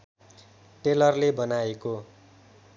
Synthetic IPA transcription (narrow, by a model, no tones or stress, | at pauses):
ʈelʌrlebʌnaeko